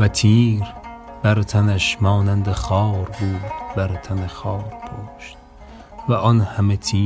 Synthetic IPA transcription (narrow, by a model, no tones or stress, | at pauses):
væt̪ʰiːɾ | b̥æɾt̪ʰænæʃmɒːnænd̪eχɒːɾbuːd̪̥bæɾt̪ʰænexɒːɾpʰoʃt̪̚ | væʔɔnhæmet̪ʰiː